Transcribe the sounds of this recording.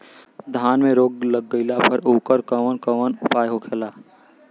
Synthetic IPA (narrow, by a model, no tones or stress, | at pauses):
d̪ʱaːnmẽɾoːɡləɡːəɪlapʰəɾoːkəɾkəʋənkəʋənʊpaːjɦokʰeːlaː